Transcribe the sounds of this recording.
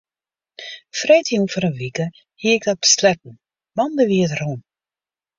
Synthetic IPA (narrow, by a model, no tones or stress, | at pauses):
frɛjtiufəɾənʋikə | hiəɪk̚dɔt̚b̥ə̥slɛk̚n̩ | mɑndəʋiədrun